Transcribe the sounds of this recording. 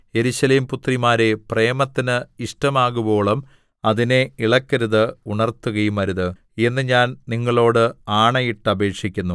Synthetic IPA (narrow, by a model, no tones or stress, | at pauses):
je̞ɾuɕɐleːmput̪rimaːɾe̞pre̞ːmɐt̪ːinɨiʂʈɐmaːɣubo̞ːɭɐm | ɐðine̞iɭɐkːɐɾuðɨuɳɐrt̪ːuɣɐjumɐɾuðɨ | e̞nːɨɲaːnniŋːɐɭo̞ːɽɨaːɳɐjiʈːɐbʱe̞ːkʂikʲːunːu